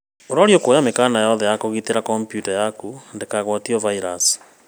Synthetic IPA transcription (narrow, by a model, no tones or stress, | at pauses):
oɾaɾjokojamekanajɔðɛjakoɣiteɾakɔmpjutajakundekaɣwɔtiɔvaiɾasi̥